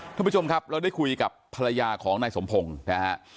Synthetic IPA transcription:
tʰa˥˩pʰːt͡ɕʰo˧mkʰa˦˥p̚ɾa˧wda˥˩jkʰu˧jka˨˩pʰːa˧ɾa˧jaː˧kʰɔː˩˦ŋnaː˧jso˩˦mpʰo˧ŋnɛ˦˥

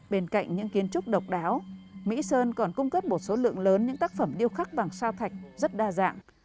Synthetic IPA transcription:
ɓe˧nka̰˧˨jŋ̟ɲɨ̰˧˥ŋki˨˦ənt͡ɕʊ˦˥k͡p̚ɗə˨˩wk͡p̚ɗaː˨˦wmḭ˧˥səː˧nkɔ˨˩nkʊ˧ŋ͡mkə˦˥p̚mo˨˩t̚so˨˦lɨ̰˧˨əŋləː˨˦nɲɨ̰˧˥ŋt̪aː˦˥k̚fə˧˩mɗi˧əwxaː˦˥k̚ɓaː˨˩ŋsaː˧wt̪ʰa˨˩jk̟̚zə˦˥t̚ɗaː˧za̰ː˧˨ŋ

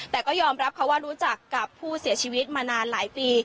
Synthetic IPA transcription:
ɛː˨˩kɔː˥˩jɔː˧mɾa˦˥p̚kʰa˦˥waː˥˩ɾuː˦˥t͡ɕa˨˩kːa˨˩pʰːuː˥˩si˨˩˦t͡ɕʰiː˧wi˦˥t̪̚maː˧naː˧nlaː˩˦jpiː˧

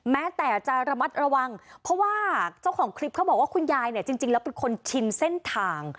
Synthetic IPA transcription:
mɛː˦˥t̪ɛː˨˩t͡ɕa˨˩ɾa˧ma˦˥t̪̚ɾa˧wa˧ŋpʰɾɔ˦˥waː˥˩t͡ɕa˥˩wkʰɔː˩˦ŋkʰɾli˦˥p̚kʰa˦˥wbɔː˨˩k̚waː˥˩kʰu˧njaː˧jni˥˩ɐt͡ɕi˧ŋt͡ɕi˧ŋlɛː˦˥wpe˧nkʰo˧nt͡ɕʰi˧nse˥˩nt̪ʰaː˧ŋ

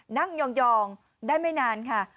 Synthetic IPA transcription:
na˥˩ŋjɔː˧ŋjɔː˧ŋ | daː˥˩jmaː˥˩jnaː˧nkʰa˦˥˩

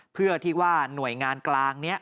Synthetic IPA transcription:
pʰɯ˥˩ɐt̪ʰiː˥˩waː˥˩nu˨˩əjŋaː˧nklaː˧ŋni˦˥ɐ

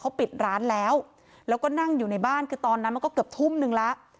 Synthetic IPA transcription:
kʰa˦˥wpi˨˩t̪̚ɾaː˦˥nlɛː˦˥w | lɛː˦˥wkɔː˥˩na˥˩ŋjuː˨˩na˧˥jbaː˥˩nkʰɯː˧t̪ɔː˧nːa˦˥ma˧nkɔː˥˩kɯ˨˩p̚t̪ʰu˥˩mnɯ˧ŋla˦˥ʔ

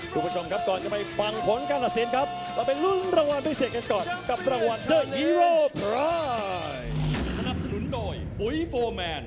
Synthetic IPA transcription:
pʰuː˧˩pʰu˦˥˩t͡ɕʰo˧mkʰa˦˥p̚kɔː˨˩nt͡ɕa˨˩ma˧jfa˧ŋpʰo˨˩˦nkaː˧nʔaː˨˩t̪̚seː˨˩˦nkʰa˦˥p̚ | laː˧˩pa˧jlu˥˩ŋɾaː˧ŋwa˧ndaː˧˥˩jseː˨˩t̚ka˧nkɔː˨˩nka˨˩p̚ɾaː˧ŋwa˧ndɤː˧˩i˧ɾoː˧˩pa˦ | sa˧na˨˩p̚sa˧nu˨˩˦ndoː˧˩j | pu˨˦jfoː˧mɛː˧n

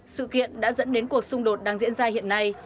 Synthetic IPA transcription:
sɨ̰˧˨kḭ˧˨ənɗa̰ː˧˥zə̰˧˥nɗe˨˦nku˨˩ək̚sʊ˧ŋ͡mɗo˨˩t̚ɗaː˧ŋzḭ˧˥ənzaː˧hḭ˧˨ənːa˧j

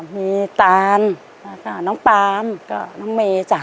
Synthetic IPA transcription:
miː˧t̪aː˧n | la˧˩ka˧˩nɔː˧˥˨ŋpaː˧mkɔ˧˩nɔː˧˥˦ŋmeː˧t͡ɕa˧˨˩

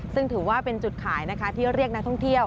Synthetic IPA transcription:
sɯ˥˩ŋt̪ʰɯː˩˦waː˥˩pe˧nt͡ɕu˨˩t̪̚kʰaː˩˦jna˦˥kʰa˦˥t̪ʰiː˥˩ɾi˥˩ək̚na˦˥k̚t̪ʰɔ˥˩ŋt̪ʰi˥˩əw

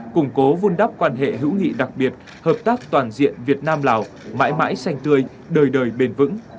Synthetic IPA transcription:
kʊ˧˩ŋ͡mko˨˦vu˧nɗa˦˥p̚kwaː˧nɦḛ˧˨ɦɨ̰˧˥wŋḭ˧˨ɗa˨˩k̚ɓi˨˩ət̚ | həː˨˩p̚t̪aː˦˥k̚t̪waː˨˩nzḭ˧˨ənvi˨˩ət̚naː˧mlaː˨˩w | ma̰ː˧˥jma̰ː˧˥jsa˧jŋ̟t̪ɨ˧əj | ɗəː˨˩jɗəː˨˩jɓe˧˩nvɨ̰˧˥ŋ

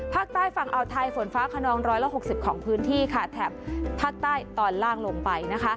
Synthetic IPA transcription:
pʰaː˥˩k̚t̪aː˥˩jfa˨˩ŋʔa˧wt̪ʰa˧jfo˩˦nfaː˦˥kʰa˧nɔː˧ŋɾɔː˦˥jla˧˥ɦo˨˩k̚si˨˩p̚kʰɔː˩˦ŋpʰɯː˦˥nt̪ʰiː˥˩kʰa˥˩t̪ʰɛː˨˩p̚ʰːaː˥˩k̚t̪aː˥˩jt̪ɔː˨˩nlaː˥˩ŋlo˧ŋpa˧jna˦˥kʰa˦˥ʔ

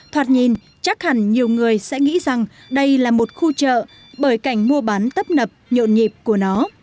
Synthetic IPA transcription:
t̪ʰwaː˨˩t̚ɲi˨˩n | t͡ɕa˦˥k̚ha˧˩nɲi˨˩əwŋɨ˨˩əjsɛ̰˧˥ŋḭ˧˥za˨˩ŋ | ɗə˧jlaː˨˩mo˨˩t̚xu˧t͡ɕə̰ː˧˨ | ɓəː˧˩jka˧˩jŋ̟mu˧əɓa˨˦nt̪ə˦˥p̚nə˨˩p̚ɲo̰˧˨nɲi˨˩p̚ku˧˩ənɔ˨˦

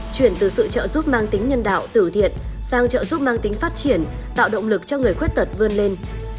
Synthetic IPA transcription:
t͡ɕwi˧˩ənt̪ɨ˨˩sɨ̰˧˨t͡ɕə̰ː˧˨zu˦˥p̚maː˧ŋt̪ï˨˦ŋ̟ɲə˧nɗa̰ː˧˨wt̪ɨ˧˩t̪ʰḭ˧˨ənsaː˧ŋt͡ɕə̰ː˧˨zu˦˥p̚maː˧ŋt̪ï˨˦ŋ̟faː˦˥t̚t͡ɕi˧˩ənt̪a̰ː˧˨wɗə̰˧˨wŋ͡mlɨ˨˩k̚t͡ɕɔ˧ŋɨ˨˩əjxwi˦˥t̚t̪ə˨˩t̚vɨ˧ənle˧n

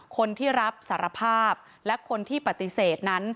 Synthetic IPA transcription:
kʰo˧nt̪ʰiː˥˩ɾa˦˥p̚saː˩˦ɾa˧pʰaː˥˩p̚ | lɛ˦˥kʰo˧nt̪ʰiː˥˩pa˨˩t̪i˨˩seː˨˩t̪̚na˦˥n

